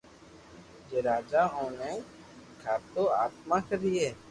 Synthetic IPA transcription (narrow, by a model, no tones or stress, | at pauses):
d͡ʒeːɾaːd͡ʒaːɦoːnẽ | kʰaːɾt̪oːaːt̪maːkəɾiɛː